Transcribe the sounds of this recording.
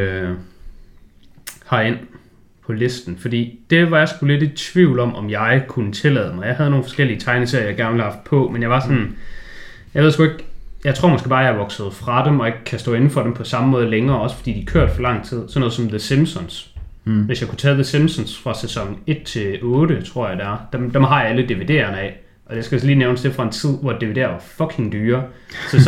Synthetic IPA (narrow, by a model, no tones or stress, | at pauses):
hɑ̈e̝n̰ | pʰɒ̽le̝sd̥n̩fɒ̽d̥ḭːd̥e̝ʋɑ̈jɑ̈sɡ̥ule̝d̥i̥t͡sʰʋiʊ̰lɒ̽mʔɒ̽mjɑ̈ɪkʰunət͡sʰe̝lɛ̰ːðˠmɑ̈ɪjɑ̈ɪɦæð̞ˠno̝ːn̩fɒ̽sɡ̥el̰iət͡sʰɑ̈ɪnəseɐ̰jɡ̥æɐnʋelhɑ̈fd̥̚pʰɒ̽menjɑ̈ɪʋɑ̈sɒ̽n | jɑe̝ð̞̰ˠsɡ̥ueɡ̥jɑ̈ɪt͡sʰʁo̝ɐmɒ̽sɡ̥eb̥ɑ̈ːjɑ̈ɐʋɒ̽ɡ̥sð̞̩ˠfʁɑ̈d̥emɒ̽e̝ɡ̥̚kʰːæsd̥ɔ̰̽ːe̝nn̩fɒ̽ɾ̥empʰɒ̽sɑ̈məmɔ̽ːð̞ˠəleŋɐːɒ̽sə̥fɒ̽d̥ḭːd̥ikʰøɐ̰d̥fɒlɑ̈ŋ̰t͡sʰið̞̰ˠsɒnɔːð̩ˠsɒ̽mðesemsɔnsʋe̝sjɑ̈kʰu̥t͡sʰɛːðesemsɔnsfʁɑ̈sesɒ̽ŋe̝d̥̚t͡sʰe̝ɔ̽ːɾ̥ət͡sʰʁo̝ɐ̰jɪd̥ææɐd̥emd̥emɦɑ̈jɑæləd̥iʋid̥e̝̰ɐnɛ | ʔɒ̽d̥esɡ̥æjsliːneʊnəsd̥e̝fʁɑ̈e̝nt͡sʰið̞̰ˠʋɒd̥iʋide̝̰ːɐʋɑ̈fɒ̽kʰe̝ŋd̥yːɐsɒ